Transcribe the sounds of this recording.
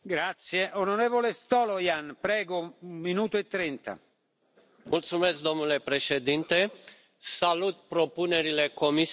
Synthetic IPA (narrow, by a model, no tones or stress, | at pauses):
ɡɾat̪sjeʔonoɾevolest̪ɔlojanpɾɛːɡounminuːt̪oet̪ːɾent̪a̰ | mult̪sumesk̚d̪o̞mnule̞pɾeʃed̪int̪e | salut̪̚pɾopune̞ɾilekomis